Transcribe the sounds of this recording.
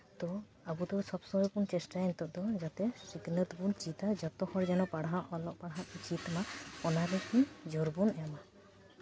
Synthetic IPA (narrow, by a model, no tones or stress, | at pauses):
t̪ɔ | abud̪ɔsɔbsɔɦɔjpunt͡ʃɛsʈaɛnt̪ɔʔd̪ɔd͡ʒat̪ɛsiknət̪bunt͡ʃit̪ad͡ʒɔt̪ɔhɔɾd͡ʒɛnɔpaɽɦaʔɔlɔʔ̚paɽɦaʔut͡ʃit̪maɔnaɾɛkid͡ʒɔɾbunɛma